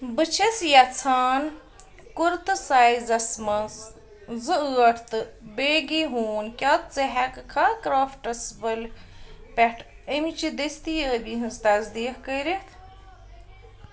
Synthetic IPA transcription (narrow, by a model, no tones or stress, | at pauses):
bɨt͡ʃʰesjɐt͡sʰaːn | kuɾt̪ɨsajzɐsmɐns | zɨɨːɐʈʰt̪ɨbeːɡiɦuːnkʲat̪̚t͡seɦɛkɨkʰakɾaːfʈɐsbɐlpɛʈʰəmit͡ʃʰid̪est̪ijəːbiɦɨnzt̪ɐzd̪iːkkəɾit̪ʰ